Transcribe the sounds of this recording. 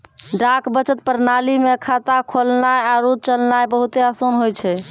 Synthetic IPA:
ɖakbət͡ʃət̪̚pəɾnalimeəkʰat̪akʰolnaeaɾud̪̚t͡ʃəlnaebəɦut̪easonɦojt͡ʃʰɛ

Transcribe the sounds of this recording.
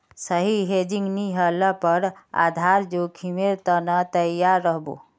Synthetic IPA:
səɦiɦed͡ʒĩŋɡniɦələpəɾa̰d̪ʱaɾd͡ʒokʰimeɾt̪ənat̪əjaɾːəɦbo̰

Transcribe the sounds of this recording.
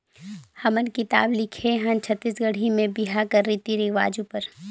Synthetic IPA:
hɐmənkɪt̪a̰ːblɪkʰeɦə̃nt͡ʃʰət̪ːisɡəɽ̤imẽbɪɦakəɾːit̪iɾiʋa̰ːd͡ʒupəɾ

